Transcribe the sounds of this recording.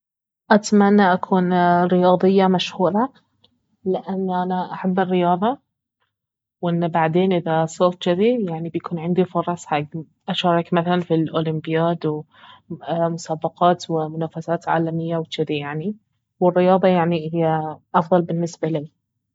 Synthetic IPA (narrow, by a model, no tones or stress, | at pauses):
ʔat̪manːaʔakʰuːnɾɪjɑːðˤɨjːamaʃhuːɾˤɑ | lɪʔanːʔanaʔaħabːɪrːɪjɑːðˤɑ | wʔɪnːbaʕd̪eːnʔɪðasˤɑɾt̪d͡ʒɪd̪ijaʕnibjakuːnʕɪnd̪ifɑɾˤɑsˤħaɡ | ʔaʃɑːɾˤɑkmaθalanfilʔoːlɪmbɪjaːd̪w | mʊsaːbɑqɑːt̪wɪmʊnaːfasaːt̪ʕa̰ːlamɪjːawɪt͡ʃɪd̪ijaʕni | wɪrːɪjɑːðˤɑjaʕnihɪjːaʔɑfðˤɑlbɪnːɪsbaliː